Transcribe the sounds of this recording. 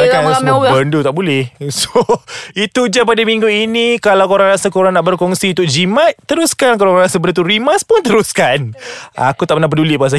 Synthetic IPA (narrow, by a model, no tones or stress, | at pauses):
akaaaɡabəndut̪aʔbolɛhsoit̪ud͡ʒapadamĩŋɡuinikalawkoɾaŋɾasakoɾaŋnaʔbərkɔŋsiut̪ʊk̚d͡ʒimãt̪̚ːəɾuskankalaaŋɾasabəɾt̪̬uɾimaspʊnt̪əɾuskana̰kut̪aʔ̚pənahpəduliʔbaas̬a